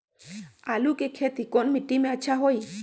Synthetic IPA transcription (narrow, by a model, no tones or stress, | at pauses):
alukekʰet̪ikɔnmiʈːimeəʃʰaɦoj